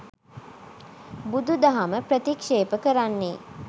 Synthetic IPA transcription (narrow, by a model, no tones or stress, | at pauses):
bud̪ud̪aɦaməpɾət̪ikʃeːpəkəɾanːeː